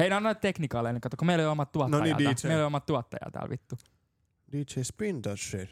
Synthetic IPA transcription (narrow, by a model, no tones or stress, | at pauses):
heinæɑnet̪t̪eknikɑˑlːeneŋkɑt̪ːokomeiloˑlijolmɑt̪t̪uɑtnoɑiɑ̰ieileliomːɑt̪t̪uɑt̪ːɑ̰jɑ̰t̪æ̰ːlʋḭt̪ːu | diːt͡ʃespind̪ɑʃe